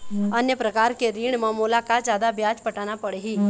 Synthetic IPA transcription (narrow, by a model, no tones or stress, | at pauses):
ɐnjəpɾɐkaːɾkeɾiːɽ̃mɐːmuːlakazjaːd̪abjaːd͡ʒpɐʈaːnapɐɽeɦiː